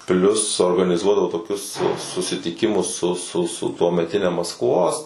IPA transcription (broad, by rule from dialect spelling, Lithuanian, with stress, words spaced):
ˈpʲlʲʊs oːrɡɐnʲɪˈzuɔdɐʋoː toːˈkʲʊs sʊsʲɪtʲɪˈkʲɪmʊs sʊ sʊ sʊ tuɔmʲɛˈtʲɪnʲɛ mɐskˈʋoːs